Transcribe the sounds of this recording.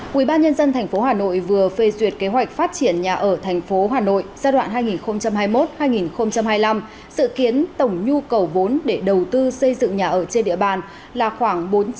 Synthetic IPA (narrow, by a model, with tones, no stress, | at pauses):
ʔwḭ˧˩ɓaː˧nɲə˧nzə˧nt̪ʰɛ˨˩jŋ̟fo˨˦ɦaː˨˩no̰˧˨jvɨ˨˩əfe˧˩zwi˨˩ət̚ke˨˦ɦwa˨˩jk̟̚faː˦˥t̚t͡ɕi˧˩ənɲaː˨˩ʔəː˧˩t̪ʰɛ˨˩jŋ̟fo˨˦ɦaː˨˩no̰˧˨jzaː˧ɗwa̰ː˧˨nɦaː˧jŋi˨˩nxə˧wŋ͡mt͡ɕa˧mɦaː˧jmo˦˥t̚haː˧jŋi˨˩nxə˧wŋ͡mt͡ɕa˧mhaː˧jla˧m | sɨ̰˧˨ki˨˦ənt̪ə˧˩wŋ͡mɲu˧kə˨˩wvo˨˦nɗe˧˩ɗə˨˩wt̪ɨ˧sə˧jzɨ̰˧˨ŋɲaː˨˩ʔəː˧˩t͡ɕe˧nɗḭ˧˨əɓaː˨˩n | laː˨˩xwaː˧˩ŋɓo˨˦n